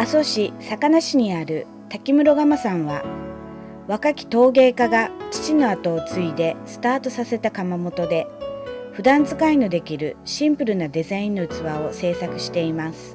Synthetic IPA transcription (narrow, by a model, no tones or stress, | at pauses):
aso̞ɕisakanaɕiɲ̟iaɾɯ̟ | t̪akʲimɯ̟ɾo̞ɡamasãɰ̃βa | βakakʲi̥t̪o̞ːɡe̞ːkaɡat͡ɕi̥t͡ɕino̞at̪o̞ːt͡sɨid̪e̞sɨ̥t̪aːt̪o̞sase̞t̪akamamo̞t̪o̞d̪e̞ɸɯ̟d̪ãnd͡zɨkaino̞d̪e̞kʲiɾɯ̟ɕĩmpɯ̟ɾɯ̟nad̪e̞zaĩnːot͡sɨβao̞se̞ːsakɯ̟ɕi̥t̪e̞imasɨ̥